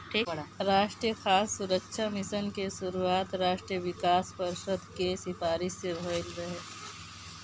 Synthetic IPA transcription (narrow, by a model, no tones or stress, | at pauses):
ʈʰiɾaːʃʈɾijəxaːsːʊɾəkʃʰamɪʃənkeʃʊɾuaːt̪ɾaːʃʈɾijəʋɪkaːspəɾʃəd̪ʱkesɪfaːɾɪʃsebʱolɾɐɦeː